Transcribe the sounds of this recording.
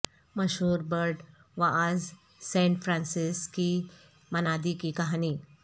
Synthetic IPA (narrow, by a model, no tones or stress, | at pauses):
məɕɦuːɾbəɾɖ | ʋaʔad͡z | sɛ̃ɳʈfɾãnsiski | mənad̪ikikaɦaniː